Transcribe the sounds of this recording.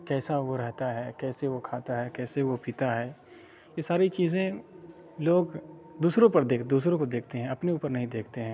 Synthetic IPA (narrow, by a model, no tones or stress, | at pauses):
kɛːsaʋoɾɛɦt̪aɦɛkɛːseʋokʰaːt̪aɦɛkɛːseʋopiːt̪aɦɛː | jesaːɾit͡ʃiːzẽ | loːɡ | d̪uːsɾõpɐɾd̪eːkd̪uːsɾõkod̪eːkʰt̪eɦɛ̃ɐpneuːpəɾnɐɦĩd̪eːkʰt̪eɦɛ̃ː